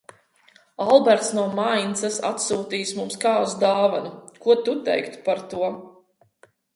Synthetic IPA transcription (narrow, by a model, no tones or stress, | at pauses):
alˠbɛɾt̪snuɔmajnt̪sasa̰t̪suːt̪iːsmumskaːuzd̪aːvanukuɔt̪ut̪ɛ̰jkt̪u̥paɾt̪uɔ